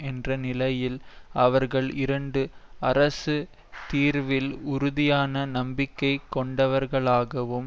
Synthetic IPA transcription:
ɛndrɐnɪlɐjɪlɐʋɐɾɣɐɭɪɾɐɳɖɯɐɾɐsɯ | t̪iːɾʋɪlʊɾʊðɪjaːnɐnɐmbɪkːɐɪkːɔɳɖɐʋɐɾɣɐɭaːɣɐʋɯm

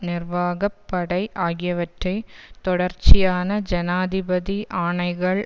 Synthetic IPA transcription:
nɪrʋaːɣɐpːɐɽɐɪʔaːɣɪjɐʋɐʈrɐɪt̪ɔɽɐɾt͡ʃːɪjaːnɐd͡ʒɛnaːðɪbɐðiʔaːɳɐɪɣɐɭ

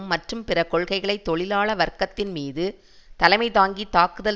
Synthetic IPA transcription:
mːɐʈrɯmpɪrɐkɔɭɣɐɪɣɐɭɐɪt̪ːɔɭɪlaːɭɐʋɐɾkːɐt̪ːɪnmiːðɯ | t̪ɐlɐɪmɐɪt̪aːŋɡit̪aːkɯðɐ

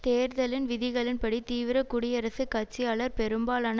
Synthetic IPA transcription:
t̪eːɾðɐlɪnʋɪðɪɣɐɭɪnpɐɽit̪iːʋɪɾɐkʊɽɪjɐɾɐsɯkːɐʈ̚t͡ʃːɪjaːɭɐɾpɛɾɯmbaːlaːn

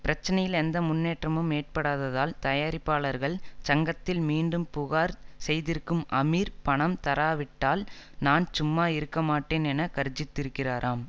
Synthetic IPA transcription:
pɪɾɐt͡ʃːɐnɐjɪlɛnd̪ɐmʊnːeːʈrɐmɯmeːʈ̚pɐɽaːðɐðaːlt̪ɐjaːɾɪpːaːɭɐɾɣɐɭt͡ʃɐŋɡɐt̪ːɪlmiːɳɖɯmpʊɣaːɾsɛjðɪɾkːɯmɐmiːɾpɐɳɐmt̪ɐɾaːʋɪʈːaːlnaːnt͡ʃʊmːaːɪɾɯkːɐmaːʈːeːnɛnɐkɐɾd͡ʒɪt̪ːɪɾɯkːɪraːɾʔaːm

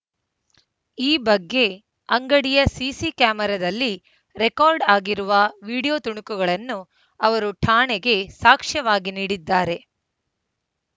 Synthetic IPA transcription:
iːbɐɡːe̞ | ɐŋɡɐɽijɐsiːsikaːmɛɾɐd̪ɐlːi | ɾekaːɾɖaːɡiɾuʋɐʋiːɽijoːt̪uɳukuɡɐɭɐnːu | ɐʋɐɾuʈʰaːɳɛɡe̞saːkʂɐʋaːɡiniːɽid̪ːaːɾe̞

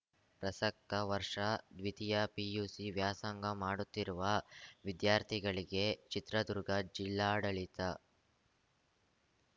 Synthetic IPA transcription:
pɾɐsɐk̚tɐʋɐɾʂɐd̪ʋit̪ijɐpijuːsiʋjaːsɐŋɡɐmaːɽut̪ːiɾuʋɐʋid̪jaːɾt̪ʰiɡɐɭiɡe̞t͡ʃit̪ɾɐd̪uɾɡɐd͡ʒilːaːɽɐɭit̪ɐ

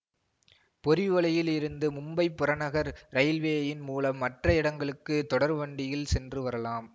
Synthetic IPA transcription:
pɔɾɪʋɐɭɐjɪlɪɾɯnd̪ɯmʊmbɐɪpːʊɾɐnɐɣɐɾɾɐɪlʋeːɐjɪnmuːlɐmːɐʈrɐɪɽɐŋɡɐɭɯkːɯt̪ɔɽɐɾʋɐɳɖɪjɪlsɛndrɯʋɐɾɐlaːm

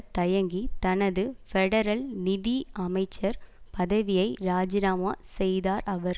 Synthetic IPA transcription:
t̪ɐjɐŋɡit̪ɐnɐðɯfɛɽɐɾɐlnɪðiɐmɐɪt͡ʃːɐɾpɐðɐʋɪjɐɪɾaːd͡ʒɪnaːmaːsɛjðaːɾʔɐʋɐɾ

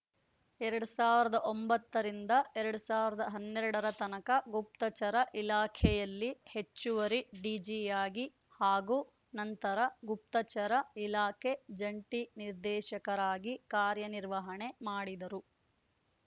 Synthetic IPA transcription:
ɛɾɐɽusaːʋiɾɐd̪ɐʔombɐt̪ːɐɾind̪ɐɛɾɐɽusaːʋiɾɐd̪ɐɦɐnːɛɾɐɽɐɾɐt̪ɐnɐkɐɡup̚t̪ɐt͡ʃɐɾɐʔilaːkʰɛjɐlːihet͡ʃːuʋɐɾiɖid͡ʒijaːɡi | haːɡuː | nɐnt̪ɐɾɐɡup̚t̪ɐt͡ʃɐɾɐilaːkʰed͡ʒɐɳʈiniɾd̪ɛːʃɐkɐɾaːɡikaːɾjɐniɾʋɐɦɐɳe̞maːɽid̪ɐɾu

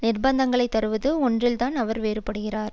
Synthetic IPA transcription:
nɪrbɐnd̪ɐŋɡɐɭɐɪt̪ːɐɾɯʋɐðɯɔndrɪlt̪aːnɐʋɐɾʋeːɾɯpːɐɽɯɣɪraːɾ

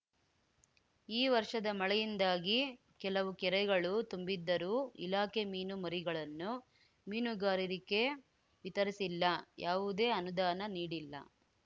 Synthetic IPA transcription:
iːʋɐɾʂɐd̪ɐmɐɭɛjind̪aːɡi | kɛlɐʋukɛɾɛɡɐɭut̪umbid̪ːɐɾuːḭlaːkemiːnumɐɾiɡɐɭɐnːu | miːnuɡaːɾiɾike̞ | ʋit̪ɐɾisilːɐjaːʋud̪e̞ːɐnud̪aːnɐniːɽilːɐ̰

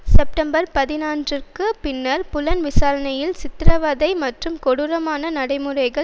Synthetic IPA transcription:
sɛp̚ʈɐmbɐɾpɐðɪnaːndrɯrkɯpɪnːɐɾpʊlɐnʋɪsaːɾɐnɐjɪlsɪt̪ːɪɾɐʋɐðɐɪmɐʈrɯmkɔɽɯɾɐmaːnɐnɐɽɐɪmɯrɐɪɣɐ

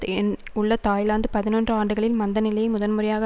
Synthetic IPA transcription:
n | ʊɭːɐt̪aːjlaːnd̪ɯpɐðɪnoːndrɯaːɳɖɯɣɐɭɪlmɐnd̪ɐnɪlɐjɐmʊðɐnmʊrɐjaːɣɐ

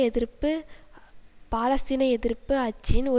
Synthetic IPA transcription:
ɛðɪrpɯ | paːlɐsinɐɛðɪɾpːɯɐt͡ʃːɪnɔ

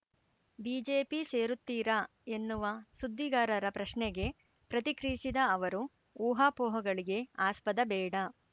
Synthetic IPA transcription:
biːd͡ʒeːpise̞ːɾut̪ːiːɾɐ | e̞nːuʋɐsud̪ʱːiɡaːɾɐɾɐpɾɐʃɳɛɡe̞ | pɾɐt̪ikɾiisid̪ɐːʋɐɾu | uːɦaːpɔːɦɐɡɐɭiɡe̞aːspɐd̪ɐbɛːɽɐ

